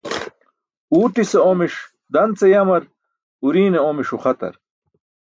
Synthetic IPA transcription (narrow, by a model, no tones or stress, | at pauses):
uːʈiseomiʂ | d̪ɐnt͡sejɐmɐɾ | uɾiːneomiʂuχɐt̪ɐ̰ɾ